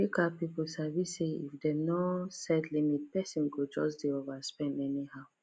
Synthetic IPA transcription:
ikapiposavisseḭfdɛnosɛdlimit̚pɛsĩnɡod͡ʒɔsdiovaspɛ̃ndɛnihaʊ

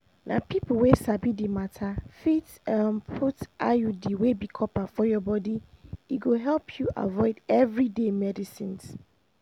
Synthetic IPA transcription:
nʔã̰pʰipʰʊlwesabidimãtʰafit | ampʰuta̰judiwebikʰɔpʰafɔjɔbɔdiiɡoɦɛlpʰjuʔa̰vɔɪdɛvɾidemɛdisĩns

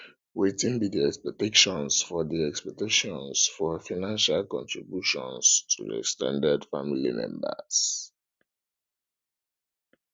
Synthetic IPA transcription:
wetĩŋdidiɛkspɛk̚tekʃɔ̃nsfɔðiɛkspɛk̚teʃɔ̃nsfɔfaɪnãnʃalkɔ̰̃ntʰɹibjuʃɔ̰̃nstʰuðə̰stã̰ndadfamilḭmɛ̰̃mbə̰s

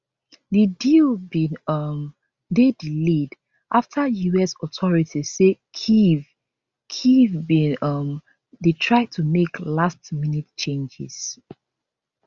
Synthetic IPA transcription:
didilbĩnʌm | dedilid | ʔaftʰəjuɛsɔtʰɔɹitʰisekʰiv | kʰivbĩnʌm | detʰɹaɪd̚tʰumeklastminitt͡ʃẽnd͡ʒɪ̰z̥

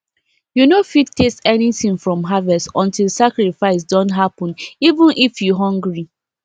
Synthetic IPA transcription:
junofittʰestɛniθĩŋfɹɔ̃mɦavɛstɔ̃ntilˠsakɹifaɪs̬dɔ̃ntɦapɔ̃nivə̃nʔifjuɦɔ̃ŋɡɹi

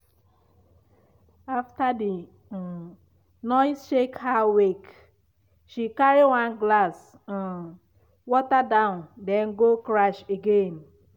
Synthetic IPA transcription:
aftadi | nɔɪsʃekhawek | ʃikaɾiwãnɡlas̩ | wɔtadãʊ̃ndɛ̃nɡokɾaʃeɡen

